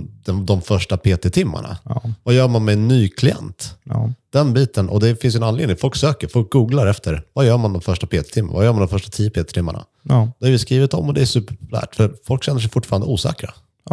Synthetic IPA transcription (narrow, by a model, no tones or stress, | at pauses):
d̪ɛd̪ɔmfœʂʈapʰeːt̪ɛt̪ʰɪmːa̰ɳa̰vajœːɾmanmɛɛnːyːkʰlɪɛ̰nt̪d̪̥ɛnbiːt̪ʰənʔɔ̰d̪ɛfɪnsjɵɛnanleːd̪nɪŋfɔlksøːkəɾfɔlk̚ɡuːɡlaɾɛft̪ʰəɾvajœːɾmand̪ɔmfœʂʈapʰeːt̪ɛ̥t̪ʰɪmːa̰na̰vajœːmand̪ɔmfœʂʈḁt̪ʰiːəpeːt̪ɛt̪ʰɪmːa̰ɳa̰ | d̪̥ɛhaɾvɪskɾiːvɪt̪ɔ̰mːɔd̪ɛæʂʉ̟ːpːəɾpʰɔ̥plæ̰ːʈfœɾfɔlkɕɛnːəʂ̬ɛjfʊʈːfɑɾand̪əuːsɛ̰ːkɾa̰